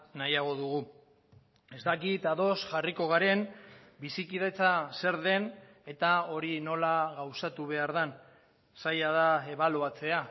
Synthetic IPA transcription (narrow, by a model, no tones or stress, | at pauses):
najaɣ̞o̞ðuɣu | e̞zt̪akit̪aðo̞sʝariko̞ɣ̞aɾe̞nbisikið̞e̞t͡sase̞ɾðe̞n | e̞t̪ao̞ɾino̞laɣawsat̪uβ̞e̞aɾðan | sajað̞ae̞βaloat͡se̞a